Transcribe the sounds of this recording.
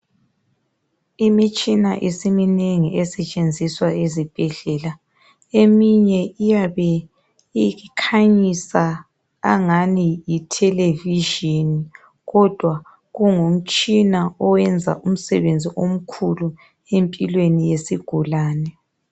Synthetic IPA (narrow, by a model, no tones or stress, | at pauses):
imit͡ʃʼina̰ʔisimineŋiʔɛsɛt͡ʃʼend͡zʱiswaezib̥ʱɛɮɛːla | emiɲɛijaβɛ | ikʰaɲisa̰ː | ŋanijitʰɛleviʒini | ɣɔd̥ʱwa | ɣuŋom̩t͡ʃʼinaɔwɛnd͡zʱa̰ʔum̩sɛβend͡zʱiʔom̩kʰulu | empʼilwenijesiɡ̥ʱulaːnɛ